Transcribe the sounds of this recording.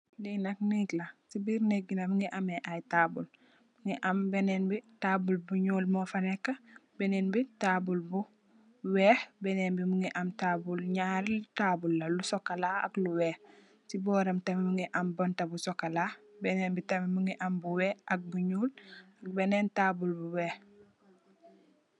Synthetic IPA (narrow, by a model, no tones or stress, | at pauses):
linɐk̚niːklɐsibiːɾneɡinɐmuŋiʔameʔajtaːbul | muŋiʔambeneːnbitaːbulbuɲuːlmɔfanekːɐbɛneːnbitaːbulbu | wɛːhbɛneːnbimuŋiʔɐmtaːbulɲaɾltaːbulːɐlusokalaa̰kluweːh | sibɔːɾɐmtɐmimuŋiʔambontɐbusokːalabɛneːnbitɐmimuŋiʔambuwɛːʔak̚buɲuːlak̚beneːntaːbulbuweːh